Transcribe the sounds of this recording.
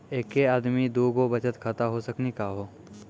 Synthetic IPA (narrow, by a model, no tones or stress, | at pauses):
eːkːeaːd̪mid̪oːɡobət͡ʃət̪kʰət̪aɦosəknikaɦoː